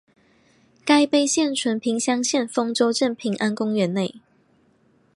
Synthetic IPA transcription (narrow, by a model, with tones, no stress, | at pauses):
ka˥˧ɪpe˥˧ɪɕjɛ˥˨nʈ͡ʂʰwə˧˥npʰi˨˥ŋɕjɑ˥ŋɕjɛ˥˨nfɤ˥ŋʈ͡ʂo˥ʊʈ͡ʂə˥˨npʰi˨˥ŋʔa˦nkʊ˥ŋɥɛ˨˦nne˥˨ɪ